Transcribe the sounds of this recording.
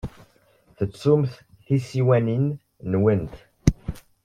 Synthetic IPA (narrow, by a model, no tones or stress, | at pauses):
θət͡sːumθ | θisiwænin | nwənt̪